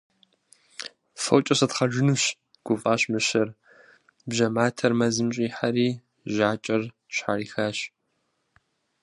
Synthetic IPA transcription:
fɐ̰wt͡ʃʼɐsɐtχɐʒɪnuɕ | ɡ̥ʷʊfʼaːɕmɨɕɐr | bʒɐmaːtʰɐrmɐzɨmɕʼiːħaɾiː | ʒaːt͡ʃʼɐr | ɕħaɾiːxaːɕ

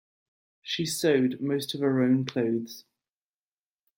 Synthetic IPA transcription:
ʃisəʊdməʊstəv̥əɹə̃ʊ̃nkʰl̥əʊðz̥

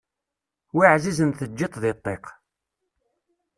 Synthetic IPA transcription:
wiʕzizənθəd͡ʒːit̪ˤðɪt̪ˤːeq

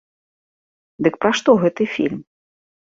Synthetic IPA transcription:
d̪ɨk̚pɾaʂt̪ɔɣɛt̪ɨfʲḭlʲm

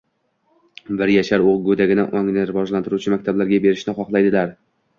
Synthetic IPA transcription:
bɪɾjaʃaɾoʁɡɵd̪aɡʲɪnɪ̰ʔɒŋnɪɾɪvɒʒlant̪ʰɪɾut͡ʃʰɪmakʲt̪ʰablaɾɡʲabe̞ɾɪʃnɪχɒχlˠajd̪ɪlaɾ

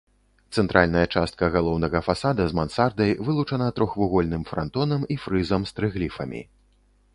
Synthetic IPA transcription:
t̪sɛnt̪ɾʔalʲnɐjɐt͡ʂast̪̚kɐɣalˠɔwnɐɣɐfasad̪ɐzmansard̪ɐjvɨlˠut͡ʂɐnɐt̪ɾɔxvuɣɔlʲnɨmfɾa̰nt̪ɔnɐmifɾɨzɐmst̪ɾɨɣlʲifɐmʲḭ

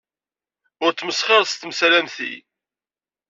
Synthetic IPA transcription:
ʊɾt͡sːməsχɑɾˤst̪msɾænθḭ

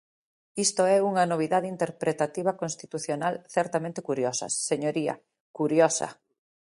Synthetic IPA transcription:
ist̪oɛuŋɐnoβ̞iðaðint̪eɾpɾet̪at̪iβ̞akonst̪it̪uθjonalθɛɾt̪amẽnt̪ekuɾjɔsɐ̰sːeɲoɾia̰ | kuɾjɔsɐ̰

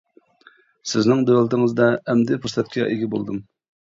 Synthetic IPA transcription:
sɪznɪŋd̪øwlt̪ɪŋɨzd̪ɑɛmd̪ɪpʰust̪ʰɛt̪̚kʲʰɛ̰ʔeɡʲibo̰lˠd̪ɨm

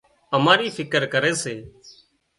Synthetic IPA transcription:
əmaːɾiːfʰɪkəɾkəɾeːseː

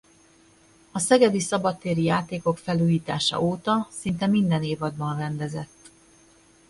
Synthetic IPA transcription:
ɒsɛɡɛb̪isɒbɒt̪ːeːɾijaːt̪eːko̞kfɛluːjiːt̪aːʃɒ̰ʔoːt̪ɒsint̪ɛmind̪ɛneːvɒd̪bɒnrɛnd̪ɛzɛt̪ː

